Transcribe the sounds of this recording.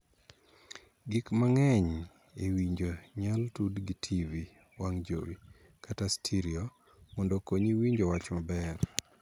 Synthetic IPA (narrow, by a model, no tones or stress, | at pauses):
ɡikmaŋɛɲ | ewiɲd͡ʒoɲaltudɡitʰivi | waŋd͡ʒo̰wi | katastʰiɾio | mɔndokoɲiwiɲd͡ʒowat͡ʃmabɛr